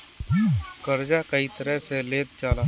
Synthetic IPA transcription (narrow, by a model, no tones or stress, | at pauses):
kəɾd͡ʒakɐit̪əɾəɦseleːt̪̚t͡ʃaːla